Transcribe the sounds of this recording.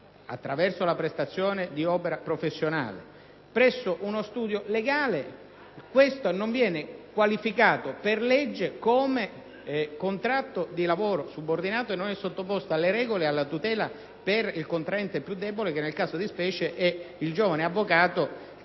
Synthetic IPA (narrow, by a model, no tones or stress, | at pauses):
a̰t̪ːɾavɛrsolapɾest̪at̪sːjoːned̪iɔːpeɾapɾofesːjona̰ːlḛ | pɾɛsːoʔunost̪uːd̪joleɡaːle | kwest̪onoɱvjɛːnekwalifikaːt̪operlɛd͡ʒːekoːme | kont̪ɾat̪ːod̪ilavoːɾosubord̪inaːt̪oenːonɛsːot̪ːopost̪aalːeɾɛːɡolealːat̪ut̪ɛːla | perilkont̪ɾaɛnt̪epːjud̪ːɛbolek̟enːelkaːsod̪ispɛːt͡ʃeʔɛild͡ʒoːvaneavːokaːt̪o